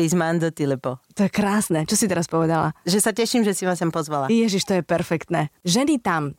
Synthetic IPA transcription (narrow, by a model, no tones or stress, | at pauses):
izmand̪ɔt̪ilɛpɔt̪ɔjɛkɾaːsnɛt͡ʃɔsit̪ɛɾaspɔʋɛd̪ala̰ʒɛsacɛʃimʒɛsimasampɔzʋalajɛʒiʃt̪ɔjɛpɛɾfɛkt̪nɛʒɛnit̪am